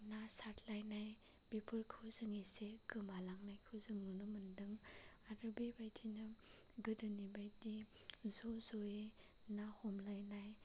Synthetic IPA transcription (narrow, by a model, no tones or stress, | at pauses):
nasatʰlajnaj | b̥ipʰɯɾkʰɯwzɯŋiseɡɯmalaŋnajkʰɯzɯŋnunɯmɯndɯŋ | aɾɯbibajdʰinɯ | ɡɯdɯnibajdi | zozoe | nahɔmlajnaj